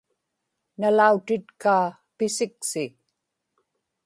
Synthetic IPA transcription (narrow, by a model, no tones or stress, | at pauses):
nalaut̪ɪt̪kaː | pɪsɪksɪ